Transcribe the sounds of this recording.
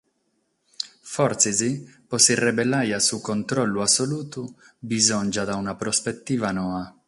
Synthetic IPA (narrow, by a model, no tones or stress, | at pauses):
fɔrt̪sizipɔsirːɛbɛlːajasukɔnt̪ɾɔlːuasːoluːt̪u | bizɔnd͡ʒad̪aunapɾɔspet̪ːiːvanɔːa